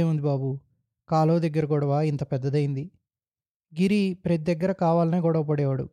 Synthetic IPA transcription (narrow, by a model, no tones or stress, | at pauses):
eːund̪ibaːbu | kaːloːd̪ɐɡːɐɾɐɡɔɽɐʋaːint̪ɐpɛd̪ːɐd̪ɐjind̪i | ɡiɾipɾet̪id̪ɐɡːɐɾɐkaːʋaːlɐneːkɔːɽɐʋupɐɽɛːʋɐɽṵ